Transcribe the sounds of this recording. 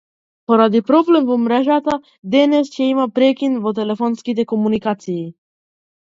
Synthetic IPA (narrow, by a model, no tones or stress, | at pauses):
poɾad̪ipɾoblemvomɾaʒat̪a | d̪enest͡ʃeimapɾekʲinvot̪̬elefonskʲit̪ekomunikat̪siː